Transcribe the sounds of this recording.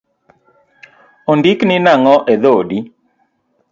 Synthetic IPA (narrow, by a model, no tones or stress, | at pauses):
ondiknɪnaŋɔʔeðodi